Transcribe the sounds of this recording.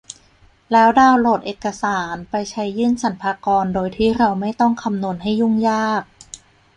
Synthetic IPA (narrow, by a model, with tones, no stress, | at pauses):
lɛː˦˥wdaː˧wlo˨˩t̪̚ʔeː˨˩kːa˧saː˩˦npa˧jt͡ɕʰa˦˥jːɯː˥˩nsa˨˩˦npʰaː˧kɔː˧ndoː˧jt̪ʰiː˥˩ɾa˧wma˥˩jt̪ɔ˥˩ŋkʰa˧mnu˧ənɦa˥˩jːu˥˩ŋjaː˥˩k̚